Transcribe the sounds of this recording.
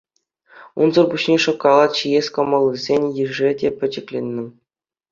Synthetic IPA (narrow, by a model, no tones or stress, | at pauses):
unzɤ̆rbuɕnʲeʂŏkːɑlˠɑt̪ɕijesʲkɤ̆mɑlˠːɯzʲenʲjɘʐɘ̆dʲepʲɘ̆d͡ʑɘ̆klʲenʲːɘ̆